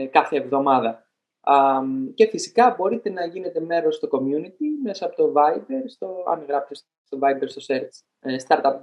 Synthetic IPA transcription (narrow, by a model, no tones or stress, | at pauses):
kɐθe̞ːvðo̞mɐðɐ | ce̞fisikɐbo̞ɾit̪e̞nɐʝine̞t̪e̞me̞ɾo̞st̪o̞ko̞mjunit̪ime̞sɐɐpo̞t̪ovɐjbe̞ɾst̪oɐ̰nɣɾɐft̪es | st̪o̞vɐjbeɾst̪o̞seɾt̪s | st̪ɐɾt̪ɐp̚